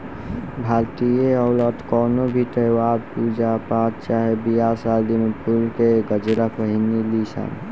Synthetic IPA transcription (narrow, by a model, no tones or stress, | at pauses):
bʱaːlt̪ieɔwləʈ̪kɔːnobʱiʈ̪əjaɾpud͡ʒapat̪t͡ʃaːɦebijasald̪inpʰulkeɡəd͡ʒɾakəɦinilisa̰n